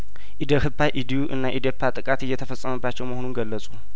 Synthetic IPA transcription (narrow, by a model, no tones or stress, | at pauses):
ʔid̪əhɨpʰːajʔid̪ijuʔɨnːaʔid̪jopʰːjat̪ʼɨkʼat̪ɪjːɛt̪ʰəfəsʼəməbːat͡ʃːɛwməhonunɡəlːəsʼu